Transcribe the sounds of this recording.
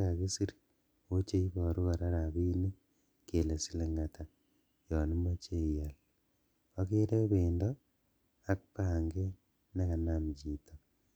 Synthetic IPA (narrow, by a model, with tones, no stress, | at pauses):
a˨ki˦si˦ɾi̥ | o˦t͡ʃe˦i˦βo˨ɾu˦ɣa˨ɾaɾa˨βi˦ne˦ | ke˨le˨si˦leŋatʰa | jɔ˨ni˦mo˦t͡ʃe˦ia˨l | o˦ke˦ɾe˦βeːndo | a˦k̚paː˨ŋɡe˦ | naka˨namd͡ʒi˨to